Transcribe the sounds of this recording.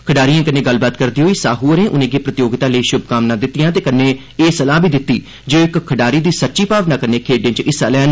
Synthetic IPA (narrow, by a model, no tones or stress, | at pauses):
kʰəɖaːɾijãːkəneːɡəlbaːt̪kəɾd̪iːɦoːiːsaːɦuːəɾẽːʔʊnẽːɡeːpɾət̪ɪjoːɡɪt̪aːləiːʃʊbkaːmnaːd̪ɪt̪ːɪjãːt̪eːkənːẽː | eːsəlaːbʱiːd̪ɪt̪ːiː | d͡ʒoːɪkkʰːəɖaːɾiːd̪iːsətːʃiːpaːʋnaːkənẽːkʰeːɖẽːt͡ʃɪsaːlɛːn